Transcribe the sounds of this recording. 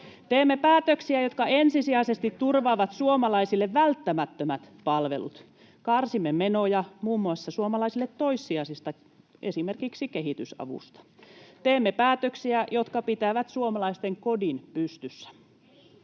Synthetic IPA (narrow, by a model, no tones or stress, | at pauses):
t̪eːmːepæːt̪øksiæjot̪kɑensisiæisest̪it̪turʋɑːʋɑt̪suomɑlɑisilːeʋʋælt̪ːæmæt̪ːømæt̪pɑlʋḛlṵt̪ | kɑrsimːemenojɑmuːmːuɑsːɑsuomɑlɑisilːet̪toisːiɑsist̪ɑ | esimerkiksikeɦit̪ysɑ̰ʋṵst̪ɑ̥t̪eːmːepæːt̪øksiæjot̪kɑpit̪æʋæt̪suomɑlɑist̪eŋkodinpyst̪ysːæ̥